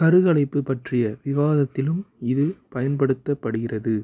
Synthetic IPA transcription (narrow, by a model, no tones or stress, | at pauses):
kɐɾɯɣɐlɐɪpːɯpːɐʈrɪjɐʋɪʋaːðɐt̪ːɪlɯmɪðɯpɐjɐnpɐɽɯt̪ːɐpːɐɽɯɣɪrɐðɯ